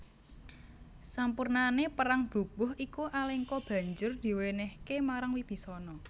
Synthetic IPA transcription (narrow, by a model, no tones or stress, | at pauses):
sampurnanepəɾaŋb̥ṳb̥ʊɦikuʔaleŋkɔb̥ä̤ɲd͡ʒʊrd̪̥i̤wenɛhkemaɾaŋwib̥i̤sɔnɔ